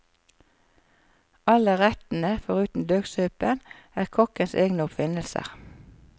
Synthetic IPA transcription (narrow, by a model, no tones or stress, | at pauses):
ɑləʁɛt̪n̩əfɔʁʉːt̪n̩d̪øːɡsøːpən | æːʁkʰɔkənseːɡnəʊpfɪnəlsə̰ʁ